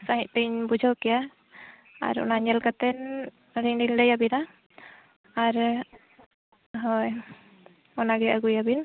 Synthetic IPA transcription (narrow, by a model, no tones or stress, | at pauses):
saɦiʔ̪̚t̪iɲbud͡ʒʱawkɛja | a̰ɾɔ̰naɲɛlkat̪ɛn | ɾiŋɖiŋɖɛjabina | aɾ | ɦɔj | ɔnaɡɛaɡujabin